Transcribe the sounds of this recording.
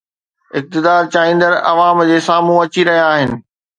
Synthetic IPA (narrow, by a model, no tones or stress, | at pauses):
ɪk̚t̪ɪd̪aːɾt͡ɕaːĩːn̆d̪əɾɐ̰ʋaːmd͡ʑeːsaːmũɐt͡ɕiɾɐɦijaaːɦɪnɪ̆